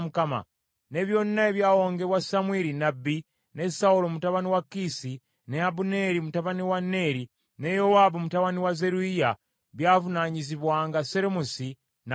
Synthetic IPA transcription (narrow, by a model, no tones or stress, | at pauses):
mukama̰ | ne̞βjo̞ːninaeβjaːwoːŋɡeβwasamweɾinabi | ne̞saulomutaβaniwakisi | neabune̞ɾimutaβaniwanːe̞ːɾi | ne̞jowabomutaβaniwaze̞ɾuija | βjaːvunaɲiziβwaːŋɡaseɾemusi | n